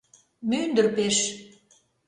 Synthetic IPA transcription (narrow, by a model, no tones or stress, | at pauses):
mynd̪ə̆rpeʃ